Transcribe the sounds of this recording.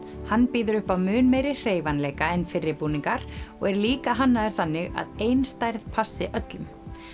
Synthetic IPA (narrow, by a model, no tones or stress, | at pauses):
hanːpiːðʏɾʏhpawmʏːnmejɾɪr̥eːjvanleːjkaɛnfɪrːɪpuːniŋkaɾ̥ɔ̰ɣɛɾliːkaɦanːaðɪɾ̥θanːɪɣa̰ðejnst̪ajɾðpʰasːɪʔœt̪lʏm